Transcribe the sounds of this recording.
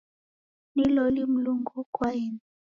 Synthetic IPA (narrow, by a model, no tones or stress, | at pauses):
nilɔlim̩luŋɡɔkwaɛn